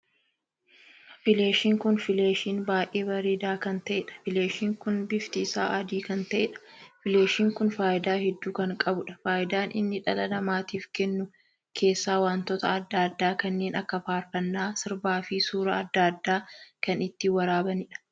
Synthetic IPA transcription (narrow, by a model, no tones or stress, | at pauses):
fɪle̞ːʃiːŋkʊnfɪleːʃiːnbaːjʔeːbɐɾiːd̪aːkɐnt̪ɐʔɛᶑɐ̥fɪleːʃiːŋkʊnbɪft̪ɪsa̰ːʔɐd̪iːkɐnt̪ɐʔɛᶑɐ̥fɪle̞ːʃiːŋkʊnfaːjɪd̪aːhɛd̪ːuːkɐŋkʼɐbʊᶑɐ̥faːjɪd̪aːnʔɪ̰nːɪᶑɐlɐlɐmaːt̪iːfkɛnːʊ | kʰe̞ːsːaːwaːnt̪ɔt̪ɐɐd̪ːaːɐd̪ːaːkɐnːe̞ːnʔɐkːɐfaːɾfɐnːaːsɪɾbaːfɪsuːɾɐɐd̪ːad̪ːaːkɐnɪt̪ːɪwɐɾaːbɐnɪᶑɐ̥